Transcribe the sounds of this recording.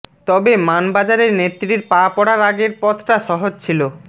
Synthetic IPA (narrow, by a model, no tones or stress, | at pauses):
t̪ɔbemanbad͡ʑaɾeɾnet̪ːɾiɾpapɔɽaɾaɡeɾpɔt̪ʰʈaʃɔɦod͡ʑt͡ɕʰilo